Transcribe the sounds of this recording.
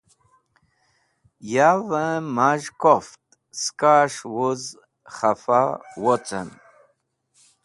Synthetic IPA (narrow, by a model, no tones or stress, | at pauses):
javəmaʒkoft̪̚ | skaʂwuz | χafawɔt͡sə̰n